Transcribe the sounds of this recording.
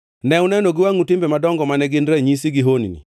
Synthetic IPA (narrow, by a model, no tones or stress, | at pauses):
nɛwʊnɛnoɡɪwaŋutɪmbemadɔŋɡɔmanɛɡɪndɾɛɲis̬iɡɪɦonḭnḭ